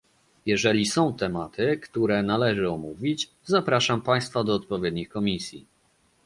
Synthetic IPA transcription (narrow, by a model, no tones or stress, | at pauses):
jɛʐɛlʲisɔ̃w̃t̪ɛmat̪ɘkt̪uɾɛnalɛʐɘɔmuvʲit͡ɕ | zapɾaʂampaj̃st̪fad̪ɔːt̪̚pɔvʲjɛd̪ɲixkɔmʲisʲjḭ